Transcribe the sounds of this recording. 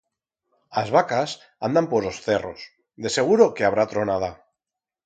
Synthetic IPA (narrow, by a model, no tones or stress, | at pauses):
azβakas | and̪ampozlosθeros | d̪e̞se̞ɣ̞uɾokeaβ̞ɾat̪ɾonað̞a